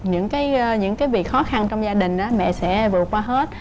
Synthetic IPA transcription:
ɲɨ̰˧˥ŋkaː˨˦jɲɨ̰˧˥ŋkaː˨˦jvi˨˩ək̚xɔ˨˦xa˧nt͡ɕɔ˧wŋ͡mzaː˧ɗï˨˩ŋ̟ʔaː˨˦mɛ̰˧˨sɛ̰˧˥vɨ˨˩ət̚kwaː˧ɦe˦˥t̚

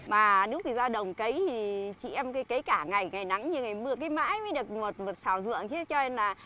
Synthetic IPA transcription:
maː˨˩ne˨˦wki˧˨˩zaː˧ɗə˨˩wŋ͡mkə˨˦jt̪ʰi˨˩t͡ɕḭ˧˨ʔɛ˧mka˨˦jkə˨˦jkaː˧˩ŋa˨˩jŋa˨˩jna˨˦ŋɲɨ˧ŋa˨˩jmɨ˧əkaː˨˦jma̰ː˧˥jm˨˦ɗɨ˨˩ək̚mo˨˩t̚mo˨˩t̚saː˧˩wzɨ̰˧˨əŋt͡ɕʰe˨˦t͡ɕɔ˧e˧nlaː˨˩

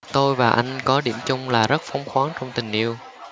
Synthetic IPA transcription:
t̪o˧jvaː˨˩ʔa˧jŋ̟kɔ˨˦ɗḭ˧˩əmt͡ɕʊ˧ŋ͡mlaː˨˩zə˦˥t̚fɔ˨˦wŋ͡mxwaː˨˦ŋt͡ɕɔ˧wŋ͡mt̪ï˨˩ŋ̟ʔi˧əw

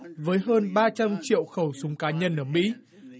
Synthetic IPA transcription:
vəː˨˦jɦəː˧nɓaː˧t͡ɕa˧mt͡ɕḭ˧˨əwxə˧˩wsʊ˨˦ŋ͡mkaː˨˦ɲə˧nʔəː˧˩mḭ˧˥

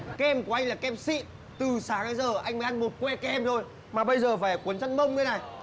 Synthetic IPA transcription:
kɛ˧mku˧˩ʔa˧jŋ̟laː˨˩kɛ˧msḭ˧˨ | t̪ɨ˨˩saː˨˦ŋaː˨˦jzəː˨˩ʔa˧jŋ̟mə˨˦ʔa˧nmo˨˩t̚kwɛ˧kɛ˧mzo˧j | maː˨˩ɓə˧jzəː˨˩faː˧˩˨ku˨˦ənt͡ɕa˧ŋmə˧wŋ͡mkːna˨˩j

